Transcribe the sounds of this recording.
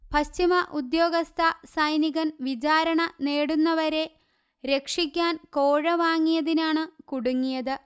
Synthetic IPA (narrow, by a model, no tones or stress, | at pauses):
pɐɕt͡ɕimɐʔud̪jo̞ːɡɐst̪ʰɐsɐjniɣɐnʋid͡ʑaːɾɐɳɐne̞ːɽunːɐʋɐɾe̞ | ɾe̞kʂikʲːaːnko̞ːɻɐʋaːŋːijɐðinaːɳɨkuɽuŋːijɐðɨ